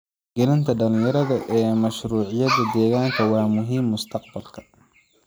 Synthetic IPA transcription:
ɡ̥ɛlɪnt̪ʰɐɖɐlɪ̃jɐɾɐðɐʔɛːmɐʃɾuːʕɪjɐðɐd̪ɛːɣaːŋkʰɐwɑːmʊɦiːmːʊst̪ʰɑqbɐlkʰɐ̥

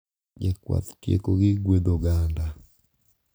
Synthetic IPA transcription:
d͡ʒekwa̰t̪tjḛkoɡɪɡwed̪oɡanda

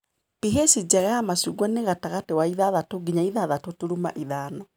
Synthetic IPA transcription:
piɦesid͡ʑɛɣaamasuɡwaneɣataɣatewaiðaðatoɡiɲaiðaðatotuɾuma̰ʔiðaːnɔ

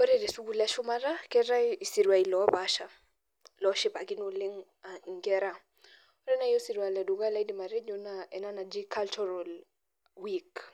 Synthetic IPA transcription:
ɔɾɛɾɛsuɡulɛʃumaɾakɛɾaisiɾwailɔβaʃa | lɔʃipakinuliŋ | aiŋɡɛɾa | ɔɾɛnaijɔsiɾwalɛduɡalaidimaɾɛd͡ʒunaɛnanad͡ʒikʰalt͡ʃɔɾal | wik

